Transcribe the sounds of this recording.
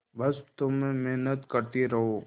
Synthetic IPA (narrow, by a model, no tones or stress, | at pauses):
bɐst̪ʊmːɛ̃mɛɦnət̪kɐɾt̪iɾɐɦoː